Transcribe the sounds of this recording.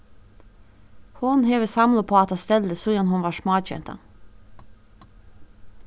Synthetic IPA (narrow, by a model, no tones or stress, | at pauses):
hʊnheːʋəsɑmlʊpʰoːɑt̪ɑːst̪ɛld̪əsuːjɑnhʊnʋɑːʃmɑːc͡çɛ̰nt̪ɑ̰